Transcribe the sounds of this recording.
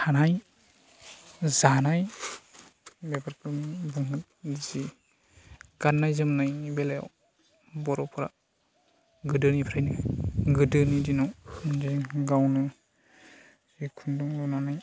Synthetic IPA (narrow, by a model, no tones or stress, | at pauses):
hanaj | zanaj | bepʰaɾkɯmbɯŋɯt̚zi | ɡ̥anːajzɯmnajnibelaja̰w | bɔɾɔpʰɯɾa̰ | ɡɯdɯnipʰɾajnɯɡɯdɯnidinɔwdiɡawnɯ | zikʰunduŋlɔnanaj